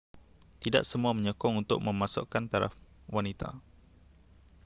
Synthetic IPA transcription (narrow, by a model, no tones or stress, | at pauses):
t̪ida̰ʔsəmuaməɲɔkɔŋunt̪ʊ̰ʔ̚mə̃mãsʊ̰ʔkːant̪aɾa̰f | wanit̪a̰